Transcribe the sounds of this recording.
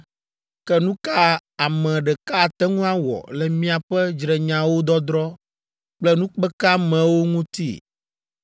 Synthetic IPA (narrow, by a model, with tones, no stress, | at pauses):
kɛ˦nũ˦ka˦a˨mɛ̃˨ɖɛ˨ka˦˨t̪ɛ˦ŋũ˦a˦wɔ̰˨lɛ˨mĩ˦a˨ɸɛ˦d͡ʒɾɛ˨ɲã˨wo˦d̪ɔ˦d̪ɾɔ˦ | k͡plɛ˦nũ˦k͡pɛ˦ka˦mɛ̃˨wo˦ŋũ˦t̪ḭ˦